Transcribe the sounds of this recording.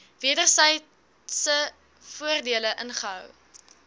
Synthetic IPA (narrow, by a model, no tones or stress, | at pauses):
viədərsəj | sə | fuərdiələʔənχəɦœ̰w